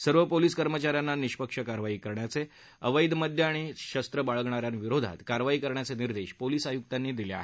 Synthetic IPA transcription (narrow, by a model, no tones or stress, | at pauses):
səɾʋəpoliːskəɾmət͡ɕaɾjanːaniɕpəkʂəkaɾʋaiːkəɾɳjat͡se | əʋəjd̪məd̪ʱjeaɽ̃iɕəst̪ɾəbaɭəɡɳ̃aɾjanʋiɾod̪ʱa̰t̪kaɾʋaiːkəɾɳjat͡seniɾd̪eɕpoliːsajuk̚t̪anːiːd̪ilea̰ɦe